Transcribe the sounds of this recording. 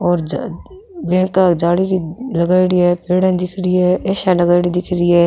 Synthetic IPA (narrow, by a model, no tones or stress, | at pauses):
ɔːɾd͡ʒ | ʋɛ̃ːkad͡ʒaːɽikilɐɡaːɪɽiɦɛpeːɽẽd̪ɪkʰɾiɛːeːʃalɐɡaːɪɽid̪ɪkʰɾiɛː